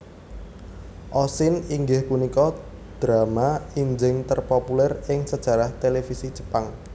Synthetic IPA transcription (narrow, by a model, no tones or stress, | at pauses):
ʔɔsɪniŋɡɪhpunikɔ | d̪̥ɾamaiɲd͡ʒɪŋt̪ərpopulɛrɪŋsəd̥ʒ̥a̤ɾaht̪elefisi̥d͡ʒə̥paŋ